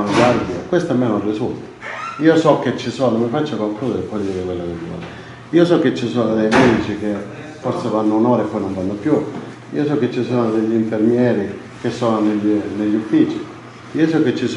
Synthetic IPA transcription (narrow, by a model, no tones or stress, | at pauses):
noɡwaɾd̪jakwest̪amːenurːisult̪ḁiːosɔkːet͡ʃːisɔːnomɪfat͡ʃːakwalkɔːd̪aepːɔd̪iːɾekwelːanena̰ːl | iːosɔkːet͡ʃːisɔːnod̪ejmɛd̪it͡ʃik̟e | foɾsevanːʊnɔːɾepːɔjnoɱvanːopju | ḭːosɔkːet͡ʃːisɔːnod̪eʎːiɱfermjɛːɾi | k̟esːɔːnoneʎːneʎːufːiːt͡ʃi | iːosɔkːet͡ʃːis